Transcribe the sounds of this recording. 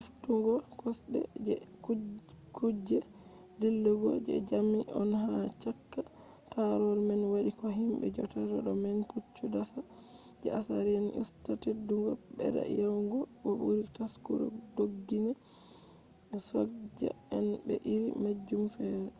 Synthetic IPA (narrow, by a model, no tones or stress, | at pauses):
uftuŋɡɔkʰɔsɗɛ̰d͡ʒɛ | kud͡ʒɛ | dilːuɡɔd͡ʒɛ̰d͡ʒamiʔɔnɦat͡ʃakːa | taɾɔlmɛnwaɗikɔɦimbɛ̰d͡ʒɔtadaɗɔmɛnkut͡ʃːudasa | d͡ʒɛasaɾianʔḭstateduŋɡɔbɛ̰da̰jawŋɡɔɓɔbuɾitaskuɾɔ̰doɡːinɛ | sɔd͡ʒɛ̰ | ɛnbɛʔiɾḭmad͡ʒːumfɛɾɛ